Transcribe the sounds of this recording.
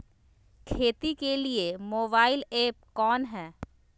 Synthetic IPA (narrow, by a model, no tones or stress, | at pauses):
kʰeːt̪ikeliemoːbaːɪleːp̚kɔːnɦɛː